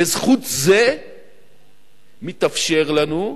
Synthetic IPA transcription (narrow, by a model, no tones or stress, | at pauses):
ezχut̪ze | mit̪afʃe̞ʁlanu